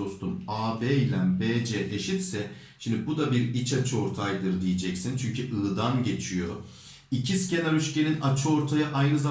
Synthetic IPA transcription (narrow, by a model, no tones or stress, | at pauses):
o̞st̪ʰumaːbeːjlʲænbeːd͡ʒɛːʔeʃit̪sɛ | ʃimd̪ibud̪abiɾit͡ʃʰat͡ʃʰɯo̞ɾt̪ʰajd̪ɯɾd̪ijid͡ʒɛcsint͡ʃʰyɲcʰyʔɯːd̪anɟe̞t͡ʃʰijo̞ | icʰisce̞naɾyʃceninat͡ʃʰɯo̞ɾt̪ʰajaʔajnɯza